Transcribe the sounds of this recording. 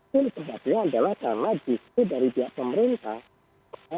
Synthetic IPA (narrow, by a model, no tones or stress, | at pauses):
ʊnsəɦat̪ɲaːdalahkarnad͡ʒist̪udaɾibiaʔpəməɾint̪ah